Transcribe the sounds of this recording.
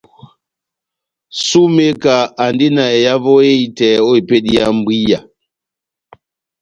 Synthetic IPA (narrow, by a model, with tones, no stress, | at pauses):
su˦me˦ka˨a˨ndi˦na˨e˨ja˦vɔ˦e˦i˦tɛ˨o˦i˨pe˦di˦ja˦m˦bwi˦ja˨